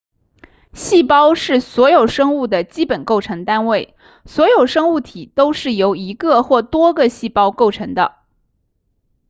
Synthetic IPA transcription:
ɕi˥˩pɑ˥ʊʂɻ̩˥˩swɔ˧˥jo˨˩ʊʂɤ˥ŋu˥˩d̪ə˩t͡ɕi˥pə˨˩nko˥˩ʊʈ͡ʂʰɤ˧˥ŋt̪a˥nwe˥˩ɪ | swɔ˧˥jo˨˩ʊʂɤ˥ŋu˥˩t̪ʰi˨˩t̪o˥ʊʂɻ̩˥˩jo˧˥ʊi˧˥ɡə˧xwɔ˥˩t̪wɔ˥ɡə˨ɕi˥˩pɑ˥ʊko˥˩ʊʈ͡ʂʰɤ˧˥ŋd̪ə̰˧

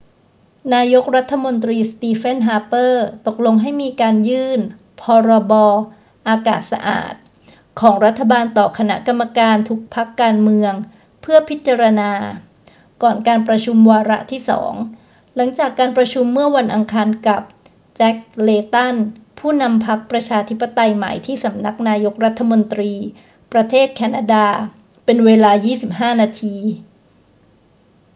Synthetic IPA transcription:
naː˧jo˦˥k̚ɾa˦˥t̪ʰːa˧mo˧nt̪ɾiː˧st̪iː˧fe˥˩nɦaː˧˥pɤː˥˩t̪o˨˩k̚lo˧ŋɦa˥˩jmiː˧kaː˧njɯː˥˩n | pʰɔː˧ɾɔː˧bɔː˧ | ʔaː˧ka̰ː˨˩t̪̚sa̰˧ʔa̰ː˨˩t̪̚ | kʰɔː˩˦ŋɾa˦˥t̪ʰːa˧baː˧nt̪ɔː˨˩kʰa˧na̰˦˥ʔka˧mːa˧kaː˧nt̪ʰu˦˥k̚pʰa˦˥kːaː˧nmɯ˧əŋ | pʰɯ˥˩ɐpʰi˦˥t̪̚t͡ɕa˧ɾa˧naː˧ | kɔː˨˩nkaː˧npɾa˧t͡ɕʰu˧mwaː˧ɾa̰˦˥ʔt̪ʰiː˥˩sɔ̰ː˩˦ŋ | la˩˦ŋt͡ɕaː˨˩kːaː˧npɾa˧t͡ɕʰu˧mːɯ˥˩ɐwa˧nʔa˧ŋkʰaː˧nka˨˩p̚ | t͡ɕɛ˦˥k̚leː˧t̪a˥˩npʰuː˥˩na˧mpʰa˦˥k̚pɾa˧t͡ɕʰaː˧t̪ʰi˦˥pːa˨t̪a˧jma̰˨˩jt̪ʰiː˥˩sa˩˦mna˦˥k̚naː˧jo˦˥k̚ɾa˦˥t̪ʰːa˧mo˧nt̪ɾiː˧ | pɾa˧t̪ʰeː˥˩t̪̚kʰɛː˧naː˧daː˧ | pe˧nweː˧laː˧jiː˥˩si˨˩p̚ɦaː˥˩naː˧t̪ʰiː˧

